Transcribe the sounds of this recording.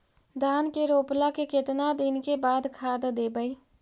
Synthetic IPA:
d̪ʱaːnkeɾoːplakeket̪nad̪ɪnkebaːd̪kʰaːd̪d̪eːbəi

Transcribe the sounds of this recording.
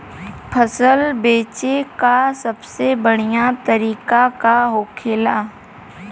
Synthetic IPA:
pʰəsəlbeːt͡ʃekasɐbsebəɽ̃ijat̪əɾiːkakaɦoːkʰeːlaː

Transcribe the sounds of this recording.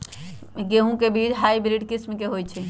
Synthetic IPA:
ɡeɦũkebit͡ʃʰɦajbɾiɖkismkeɦojt͡ʃʰɛ

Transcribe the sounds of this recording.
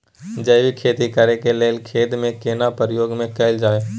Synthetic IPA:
d͡ʒəɪʋikʰeːt̪ikəɾekeleːlkʰeːd̪mẽkeːnapəɾjoːɡmẽkəɪld͡ʒaːeː

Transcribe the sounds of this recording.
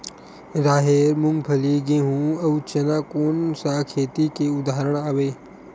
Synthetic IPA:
ɾaːɦeːɾmʊ̃ŋɡpʰəliɡeɦũɐʋt͡ʃɐnaːkoːnsakʰeːt̪ikeʊd̪aːɾəɽ̃aːʋeː

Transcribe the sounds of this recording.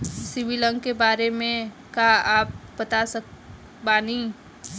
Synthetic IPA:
sɪʋilə̃ŋɡkebaːɾemẽ | kaaːp̚bət̪asək | banĩ

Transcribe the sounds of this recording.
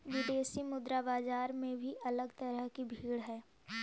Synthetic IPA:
ʋɪd̪eːsimʊd̪ɾabaːd͡ʒaːɾmẽbʱiʔɐləɡt̪ɐɾəɦkibʱiːɽɦɛː

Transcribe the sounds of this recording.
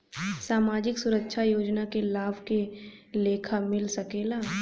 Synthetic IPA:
saːmaːd͡ʒɪksʊɾəkʃʰajoːd͡ʒnakelaːbkeleːkʰamɪlsɐkeːlaː

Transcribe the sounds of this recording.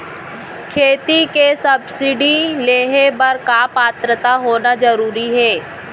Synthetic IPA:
kʰeːt̪ikesɐbsɪɖileːɦebɐɾkapaːt̪ɾət̪aɦoːnazɐɾuːɾiɦɛː

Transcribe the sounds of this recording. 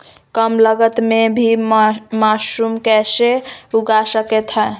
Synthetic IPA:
kəmləɡət̪mebʱimasumkɛseuɡasəkɛt̪ɦɛ

